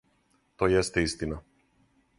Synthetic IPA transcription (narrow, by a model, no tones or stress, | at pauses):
t̪ɔjɛst̪ɛist̪ina